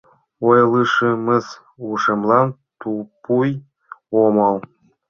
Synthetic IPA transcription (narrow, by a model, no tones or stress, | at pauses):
ojlˠɯʃemĕs | uʃĕmlˠɑnt̪upuj | omɑlˠ